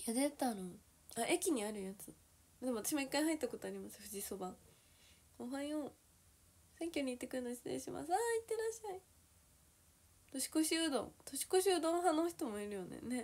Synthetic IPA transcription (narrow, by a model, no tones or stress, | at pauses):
jad̪et̪ano | aʔe̞kʲiɲ̟iaɾɯ̟jat͡sɨ | d̪emat̪ḁɕimo̞ikːaiɦait̪ːako̞t̪oaɾʲimasɨ̥ɸɯ̟ʑiso̞bã | kõɦãĩo | sẽ̞ŋkʲo̞ɲ̟iːt̪ːe̞kɯ̟ɾɯ̟nosi̥t̪ḛ̃ɕima̰sɨait̪ːe̞ɾaɕːai | t̪o̞ɕi̥ko̞ɕɯd̪õ̰t̪o̞ɕi̥ko̞ɕɨɯːd̪õnɦãnoːçi̥t̪o̞mo̞iɾɯ̟jo̞nḛne̞